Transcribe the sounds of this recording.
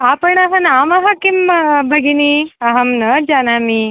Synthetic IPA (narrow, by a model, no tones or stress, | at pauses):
apəɳɐɦɐnamɐɦakimbʱɐɡiniɐɦɐmnəd͡ʒanami